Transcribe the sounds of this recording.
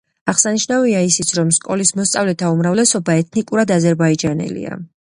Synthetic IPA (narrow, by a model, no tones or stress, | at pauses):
aʁsaniʃnaviaisit̪sʰɾɔmskʼɔlismɔst̪sʼavlɛt̪ʰaumɾavlɛsɔbaɛt̪ʰnikʼuɾad̪azɛɾbaid͡ʒanɛ̰lḭa̰